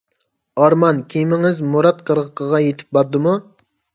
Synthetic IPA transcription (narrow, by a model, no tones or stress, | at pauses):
ɑɾmɑnkʲʰimɪŋɪzmoɾɑt̪̚qʰəɾʁəqʰəʁɑjet̪ʰɪ̥p̚bɑɾd̪ɨmu